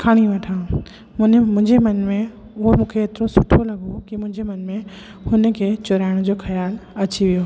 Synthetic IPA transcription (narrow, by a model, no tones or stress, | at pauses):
kʰaːɽ̃iʋɐʈʰãː | mnmʊ̃ɦɪ̃ɲd͡ʑemɐnmẽ | ʊɦomũːkʰeeːt̪ɾõsʊʈʰolɐɡokimʊ̃ɦɪ̃ɲd͡ʑemɐnmẽ | hʊnə̆kʰet͡ɕʊɾaːɪɽ̃d͡ʑoːxɐjaːlɐt͡ɕiʋijoː